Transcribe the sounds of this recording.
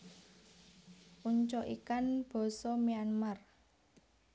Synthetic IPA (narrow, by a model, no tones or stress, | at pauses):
ʔuɲt͡ʃɔʔḭkanb̥ɔ̤sɔmianmar